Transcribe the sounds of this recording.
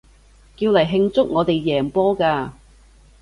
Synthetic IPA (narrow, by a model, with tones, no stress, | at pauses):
kiː˧wlɐ˨˩jɦɪ˧ŋt͡sʊ˥k̚ŋɔː˨˧t̪e˨jːɛː˨˩ŋpɔː˥kaː˧